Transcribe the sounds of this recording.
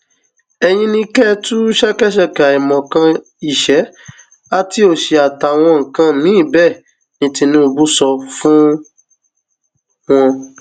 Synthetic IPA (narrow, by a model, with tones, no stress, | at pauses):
ɛ˧j̃ĩ˧˦nĩ˧kɛ˦˨tu˦ʃɛ˦kɛ˦ʃɛ˦˨ka˨i˨mɔ̃˨kã˧ | i˨ʃɛ˨˦ | a˦ti˧˦o˦˨ʃe˨a˨ta˨w̃ɔ̃˧ŋ̩˨kã˧nĩ˨˦˨bɛ˦˨ | nĩ˧tĩ˧nũ˦˧bu˦sɔ˧fũ˦ | w̃ɔ̃˧